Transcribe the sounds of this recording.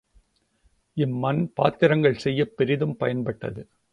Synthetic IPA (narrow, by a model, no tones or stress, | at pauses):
ɪmːɐnpaːt̪ːɪɾɐŋɡɐɭsɛjːɐpːɪɾɪðɯmpɐjɐnpɐʈːɐ̰ðɯ